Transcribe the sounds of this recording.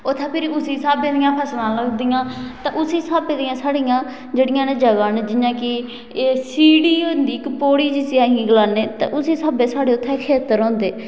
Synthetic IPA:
ʊt̪ʰːãːpʰɪɾʊsiːsaːbeːd̪ɪjãːpʰəsnãːləɡd̪ɪjãːt̪ã̰ːʔʊsiːsaːbeːd̪ɪjãːsaːɽɪjãː | d͡ʒeːɽɪjãːnẽːd͡ʒəɡaːnːd͡ʒɪɲãːkɪː | siːɽiːond̪iːkəpoːɽiːd͡ʒɪsiːãːɦĩːɡəlaːneːt̪ã̰ʔʊsiːsaːbeːsaːɽeːʊt̪ʰːɛ̃kʰeːt̪əɾõːnd̪eː

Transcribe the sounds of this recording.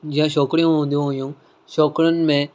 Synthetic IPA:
d͡ʒɪ̃ːãːʃɔːkɽijõːɦõːnd̪ijõɦojũː | ʃɔːkɾən̆mẽ

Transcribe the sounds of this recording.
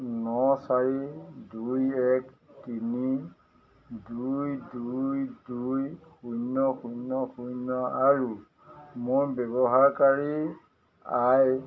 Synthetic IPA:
nɔsaɹidujɛk | tini | dujdujdujxujnɔxujnɔxujnɔaɹu | moɹbɛbɔɦaɹkaɹi | aj

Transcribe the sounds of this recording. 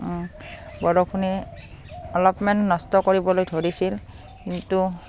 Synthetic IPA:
bɔɹɔkʰuni | ɔlɔpmɛntnɔstɔkoɹibɔlojdʱoɹisil | kintu

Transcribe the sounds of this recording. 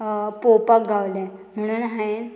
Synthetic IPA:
popak̚ɡʱaʋlɛ̃m̤əɽ̃uːnɦaen

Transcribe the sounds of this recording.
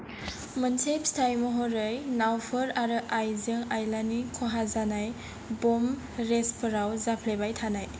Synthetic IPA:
mənsepstʰajmɔɦɔɾɯjnawpʰɯɾaɾɯʔajzɯŋajlanikʰɔɦazanaj | bɔm | ɾespʰɯɾawzapʰlebajtʰanaj

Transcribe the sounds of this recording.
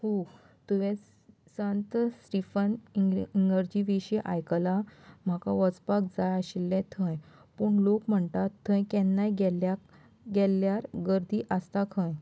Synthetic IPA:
ho | t̪uʋẽ | sə̃nt̪sɾifəninəɾd͡ʑiʋeɕeʔa̰jkəlam̤akaʋət͡spak̚d͡zajaɕilːɛ̃t̪ʰə̃jpuɳlokm̤əɳt̪at̪ʰːə̃jkɛnːajɡɛlak | ɡɛlːjaɾɡəɾd̪iːʔast̪akʰãj

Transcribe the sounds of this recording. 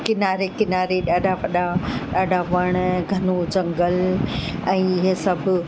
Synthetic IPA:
kɪnaːɾekɪnaːɾeɗaːɖʱaʋɐɗaɗaːɖʱaʋɐɽ̃ɡʱɐnod͡ʑɐ̃ŋɡəl | ɛ̃ːɪɦesɐbʱʊ̆

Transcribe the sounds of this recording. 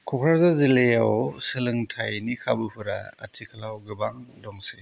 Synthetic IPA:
kʰɔkʰɾaɾzazilejawsɯlɯŋtʰajnikʰabɯhɯɾa̰ɐ̰tʰikʰalawɡɯbaŋdɔŋse

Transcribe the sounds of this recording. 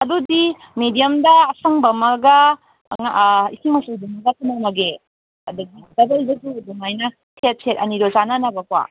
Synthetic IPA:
ɐdudi | medijɐmdɐːsɐŋbɐmɐɡɐ | ŋisimɐsudumɐɡɐkʰunamɐɡe | ɐdɐɡidɐbɐlbɐduduŋajnɐ | tʰet̚sʰet̚ɐniɾozananɐbɐkwa̰

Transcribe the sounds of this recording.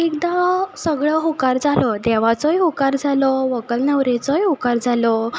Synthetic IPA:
ekd̪asəɡɭɔɦokaɾd͡zalɔd̪ɛʋat͡sɔjɦokaɾd͡zalɔʋəkəlnəʋɾet͡sɔjɦokaɾd͡zalɔ

